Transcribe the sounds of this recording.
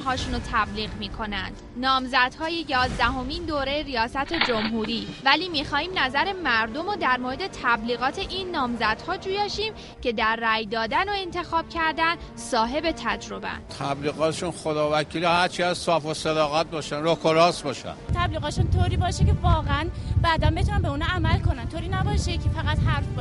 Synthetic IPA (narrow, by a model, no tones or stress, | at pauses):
ɦɒːʃunot̪ʰæbliːɣmiːkʰo̞næ̰nd̪̥nɒːmzæd̪̥hɒːje̞jɒːzd̪æɦo̞mind̪oːɾejeɾijɒːsæt̪ʰe̞d͡ʒo̞mɦuːɾiːvæliːmiːxɒːhiːmnæzæɾe̞mæɾd̪o̞mod̪æɾmoɾed̪e̞t̪ʰæbliːɣɒːt̪ʰe̞ʔinːɒːmzæd̪̥hɒːd͡ʒuːjɒːʃiːm | cʰe̞d̪æɾːæːjd̪ɒːd̪ænoe̞nt̪ʰe̞xɒːb̥cʰæɾd̪æn | sɒːɦe̞be̞t̪ʰæd͡ʒɾo̞bæ̰nt̪ʰæbliːɣɒːt̪ʰeʃunχod̪ɒːvækʰiːlihæɾt͡ʃʰiæzsɒːfosed̪ɒːɣæt̪̚bɒːʃænɾokʰoɾɒːsbɒːʃæ̰nt̪ʰæbliːɣɒːt̪eʃunt̪ʰoːɾiːbɒːʃecevɒːɣeænbæːd̪ænbet̪unæmbeuːnɑæmælkonænt̪ʰoɾiːnæbɒːʃecʰefæɣæt̪ɦæɾf